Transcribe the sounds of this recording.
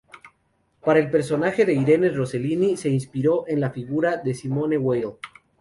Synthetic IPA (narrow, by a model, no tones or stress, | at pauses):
paɾae̞lpeɾs̬o̞naxe̞ðe̞iɾe̞nero̞selinise̞inspiɾo̞ʔe̞nlafiɣuɾaðe̞simo̞ne̞wejl